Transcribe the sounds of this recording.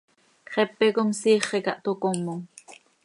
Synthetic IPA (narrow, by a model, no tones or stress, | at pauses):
kχɛpɛkomsiːχekɑʔt̪okomːoŋ